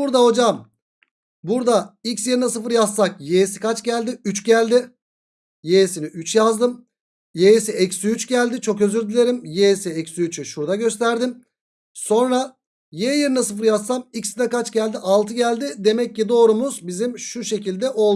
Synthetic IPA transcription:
uɾd̪aɦo̞d͡ʒam | buɾd̪aicsjeɾnasɯfɯɾjasːak̚jejsi̥kʰat͡ʃɟælʲd̪ɪyt͡ʃɟælʲd̪ɪ | jesiniʔyt͡ʃjazd̪ɯm | jesiɛcsyyt͡ʃɟælʲd̪it͡ʃʰo̞kø̞zyɾd̪ilʲe̞ɾimjesiɛcsyyt͡ʃʰyʃuɾd̪aɟø̞st̪ʰæɾd̪im | so̞nɾa | jeːjeɾnasɯfɯɾjasːamicsd̪ɛkat͡ʃɟælʲd̪iʔalˠt̪ʰɯɟælʲd̪ɪd̪e̞mɛc̚ːid̪o̞ːɾumuzbizimʃuʃe̞cilʲd̪ɛʔo̞lˠ

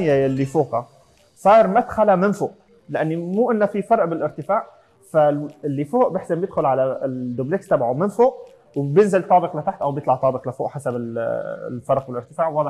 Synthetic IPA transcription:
jːaɪlːifoːqa | sˤɑːɾˤmat̪xalamɪnfoːʔ | lɪʔanːimuːʔɪnːafifɑɾˤʔbɪlʔɪɾt̪ɪfaːʕ | faɪlːifoːʔbɪħsɪmbjɪd̪xʊlʕalad̪ublekst̪abʕamɪnfoːʔ | wbjɪnzɪlt̪ˤɑːbɪqlɪt̪aħt̪ʔawbjt̪ˤlɑʕt̪ˤɑːbɪqlɪfoːʔħasabɪl | fɑɾˤq̚bɪlʔɪɾt̪ɪfaːʕwɑːd̪ˤɪ

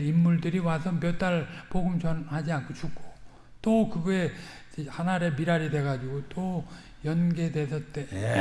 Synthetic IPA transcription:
imːuɭdɯɾiwasʰʌpjʌt͈aɭpoɡɯmt͡ɕʌnhad͡ʑiankʰot͡ɕʰukʰo̥ | t͈okɯɡʌe̞ | id͡ʑehanaɾe̞miɾaɾidwe̞ɡad͡ʑiɡot͈o | jʌnɡe̞de̞sʰʌt͈e

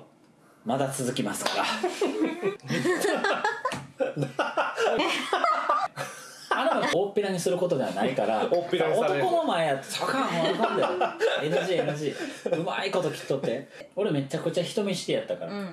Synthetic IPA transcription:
mad̪at͡sɨzɨkʲimasɨ̥kɡa | anɯmoo̞pːiɾaɲ̟isɨɾɯ̟ko̞t̪od̪e̞βa̰naikaɾaooo̞ko̞no̞maejat̪ːe̥t͡ɕakãmõnãnd̪eoenɯʑiːenɯʑiːɯ̟ma̰iko̞t̪o̞kʲi̥t̪ːot̪ːe̞ | o̞ɾeme̞t͡ɕːakɯ̟t͡ɕaçi̥t̪o̞mʲiɕi̥t̪ejat̪ːakaɾa

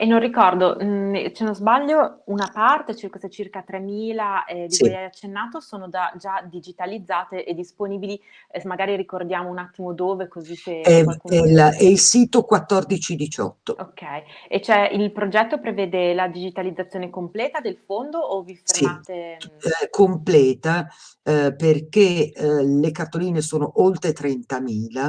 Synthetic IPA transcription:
enːõnrikɔrd̪ot͡ʃenozbaʎːounapart̪et͡ʃirkoset͡ʃirkat̪ɾemːiːlaɛd̪isɛjajat͡ʃːenːaːt̪osoːnod͡ʒad͡ʒad̪id͡ʒit̪alid̪zːaːt̪eʔed̪ːisponiːbili | maɡaːɾiɾikord̪jaːmounat̪ːimod̪oːvekoziseɛakuɛlɛilsiːt̪okwat̪ːɔrd̪it͡ʃid̪it͡ʃɔ̰t̪ːookːɛjet͡ʃɛilpɾod͡ʒɛt̪ːopɾeveːd̪elad̪id͡ʒit̪alid̪zːat̪sːjoːnekomplɛːt̪ad̪elfond̪oʔːvifseimaːt̪e | kʰomplɛːt̪a | perkelekart̪ːoliːnesoːnoʔolt̪ɾet̪ɾɛnt̪amiːla

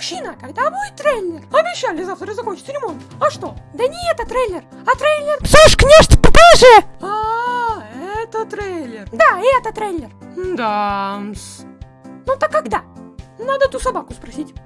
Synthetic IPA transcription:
ɕinəkɐɡd̪abujɪt̪ːɾelʲːɪrɐbʲɪɕːalʲɪzaft̪ɾəzɐxot͡ɕɪ̥t̪sɾʲɪmo̞nt̪ɐʂt̪o̞d̪ənʲɪɛt̪ət̪ɾejlʲːɪr | ɐt̪ɾejlʲːɪrpsuʂknʲeʂt̪ppaʐɪa | ɛt̪ət̪ɾelʲɪrd̪aɛt̪ət̪ɾelʲːɪr | d̪ams | not̪əkːɐɡd̪anad̪ət̪usɐbakʊspɾɐsʲitʲ

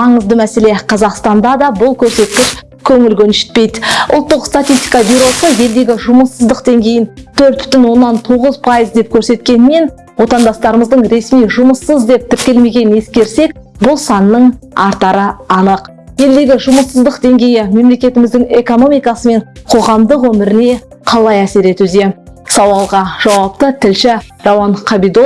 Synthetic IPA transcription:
mɑɴəzd̪əmæse̞le̞qʰɑzɑqst̪ɑnd̪ɑd̪ɑbʊlˠkʲʰɵɾse̞t̪̚kʲɪʃ | kʲʰɵŋɪlɡʲɵnʃɪ̥t̪̚pe̞jd̪ʊ̰lˠt̪ːəqst̪at̪ʲist̪ʲijkɑbyɾo̞səje̞ld̪e̞ɡʲɪʒʊməsːəzd̪əqd̪e̞ŋɡʲejɪnt̪ʰɵɾt̪̚b̥ʏ̥t̪ʏnwo̞nːɑnt̪ʰuʁəzpʰɑjəzd̪e̞p̚kʲʰɵɾse̞t̪kʲe̞nɪme̞n | wo̞t̪ɑnd̪ɑst̪ɑɾəməzd̪əɴɾe̞smijʒʊməsːəzd̪e̞p̚t̪ʰɪɾkʲe̞lme̞ɡʲe̞nɪneskʲe̞ɾse̞k̚bʊlˠsɑnːəɴɑɾt̪ɑɾəɑnəq | je̞ld̪e̞ɡʲɪʒʊməsːəzd̪əqd̪e̞ŋɡʲe̞jɪme̞mle̞kʲe̞t̪ɪmɪzd̪ɪŋe̞ko̞no̞mijkɑsəme̞ɴqʰo̞ʁɑmd̪əqwɵmɪɾɪne̞qʰɑlˠɑjæse̞ɾe̞t̪wɵze̞sɑwɑlˠʁɑʒ̥ɑwɑpt̪ət̪ʰɪlʃɪ | rɑwɑɴqʰɑbijd̪o

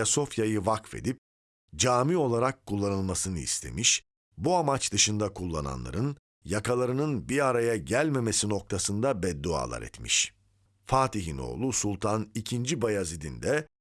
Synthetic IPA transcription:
aso̞fjajɯvakfe̞̰d̪ip̚ | d͡ʒaːmio̞lˠaɾakʰːulˠːanɯlˠmasɯnɯḭst̪ʰe̞̰miʃ | buamat͡ʃd̪ɯʃɯnd̪akʰulˠːa̰na̰nlˠa̰ɾɯn | jakʰalˠaɾɯnɯnbiɾaɾajaɟælʲme̞me̞sino̞k̚t̪ʰasɯnd̪abɛd̪ːua̰ːlˠa̰ɾɛ̰t̪mḭʃ | faːt̪iɦino̞̰ːlˠusulˠt̪ʰanicʰind͡ʒibajazid̪ind̪ɛ

